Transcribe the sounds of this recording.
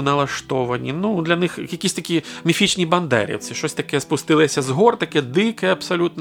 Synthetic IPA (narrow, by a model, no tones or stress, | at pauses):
nɐlˠɐʂt̪ɔvɐnʲinud̪lʲɐnɨxjɐkʲisʲt̪ɐkʲijmʲifʲit͡ʃnʲijbɐnd̪ɛ̰ɾɛ̰wt̪sɨʂɔsʲt̪ɐkɛjɛspust̪ɨlˠɐsʲɐzɦɔrt̪akʲɛjɛd̪ɨkɐjɛɐpsalʲut̪n